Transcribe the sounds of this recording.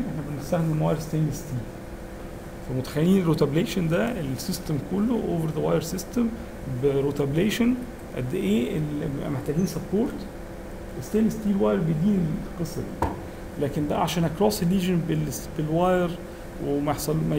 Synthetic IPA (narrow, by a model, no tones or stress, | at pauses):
nʔeħnæbenest̪æxd̪imwæjɾst̪æːnest̪iːl | fæmot̪æ̥xælːiːneɾot̪æbleːʃond̪æʔelsɪst̪emkolːoʔo̰ːveɾðəwɑjɾsɪst̪em | beɾot̪æbleːʃon | ʔæ̰d̪ːʔeːʔelmeħt̪æːɡiːnsɑpːoːɾt̪ | ʔest̪æːjnest̪iːlwɑjɾbed̪iːneqɨsˤːɑd̪i | læːkend̪æʕaʃæːnækɾˤɑːselːiːʒenbelbelwɑjɾ | wemæeħsˤɑlmæ